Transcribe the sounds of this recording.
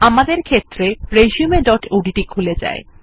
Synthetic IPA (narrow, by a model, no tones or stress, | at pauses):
amad̪eɾkʰet̪ːɾepɾeʃijumeɖɔʈuɖiʈikʰuled͡ʑa̰e